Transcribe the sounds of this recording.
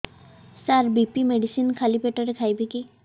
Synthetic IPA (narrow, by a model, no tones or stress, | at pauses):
saɾbipimeɖisinkʰalipeʈaɾekʰajbiki